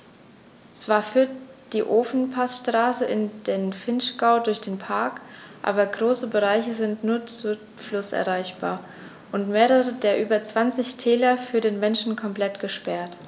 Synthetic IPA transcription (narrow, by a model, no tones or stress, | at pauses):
t͡sv̥aːɐfyːɐtd̥iːʔoːfn̩pʰasʃtʁ̥aːsəʔɪnd̥eːnfɪnʃɡ̥aʊdʊɐçd̥eːnpʰaɐkʔa̰ːbɐɡʁoːsəbəʁaɪçəzɪntnuːɐt͡su | flʊsʔɛ̰ɐʁaɪçb̥a̰ːɐ | ʔʊntmeːʁəʁədeːɐʔyːbɐt͡sv̥ant͡sɪçtʰɛːlɐfyːɐɾeːnmɛnʃn̩kʰɔmpl̥ɛtɡ̥əʃpɛɐt